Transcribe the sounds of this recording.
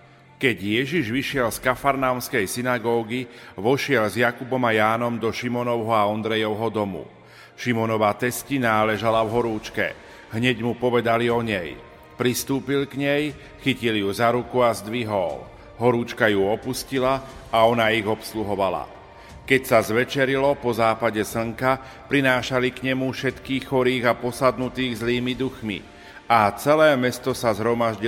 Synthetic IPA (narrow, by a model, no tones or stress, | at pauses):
kɛɟjɛʒiʒʋiʃɪɛlskafaɾnamskɛjsinaɡɔːɡiʋɔʃɪɛlzjakubɔmajaːnɔmd̪ɔʃimɔnɔʊɦɔaɔnd̪ɾɛjɔʊɦɔd̪ɔmṵ | ʃimɔnɔʋat̪ɛscinaːlɛʒalavɦɔɾuːt͡ʃkɛ̰ | ɦɲɛɟmupɔʋɛd̪aliɔɲɛj | pɾist̪uːpilɡɲɛj | xiciljuzaɾukuazd̪ʋiɦɔl | ɦɔɾuːt͡ʃkajuɔpuscilaaɔnaiɣɔpsluɦɔʋala̰ | kɛcsazʋɛt͡ʃɛɾilɔpɔzaːpaɟɛs̩ŋka | pɾinaːʃalikɲɛmufʃɛt̪kiːxxɔɾiːɣapɔsad̪nut̪iːɣzliːmid̪uxmḭ | at͡sɛlɛːmɛst̪ɔsazɦɾɔmaʒɟi